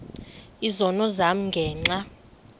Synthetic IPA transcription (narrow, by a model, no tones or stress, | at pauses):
izɔnɔzam̩ŋɡʱɛːŋ͡ǀa